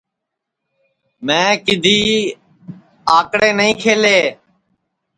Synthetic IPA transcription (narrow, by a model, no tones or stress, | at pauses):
mɛ̃ːkɪd̪ʱiː | aːkɽeːnəĩːkʰeːleː